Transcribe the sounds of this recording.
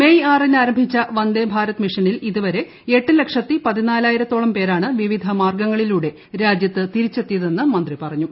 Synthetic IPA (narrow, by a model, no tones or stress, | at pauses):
mejaːrinaːɾɐmbʱit͡ɕːɐʋɐnd̪eːbʱaːɾɐt̪ːɨmiʂɐniliðuʋɐɾe̞ | eʈːɨle̞kʂɐt̪ːipɐðinaːlaːjiɾɐt̪ːoːɭɐmpe̞ːɾaːɳɨʋiʋid̪ʱɐmaːrɡɐŋːɐɭiluːɽe̞ | ɾaːd͡ʑjɐt̪ːɨt̪iɾit͡ɕːe̞t̪ːijɐðe̞nːɨmɐnd̪ripɐrɐɲːu